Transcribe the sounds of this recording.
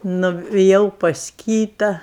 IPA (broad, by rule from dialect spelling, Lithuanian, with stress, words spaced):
nʊʋʲɪˈjɛʊ pɐs ˈkʲiːtɐ